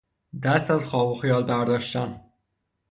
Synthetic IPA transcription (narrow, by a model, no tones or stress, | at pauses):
d̪æst̪æzxɒːboxijɒːlbæɾd̪ɒːʃt̪æn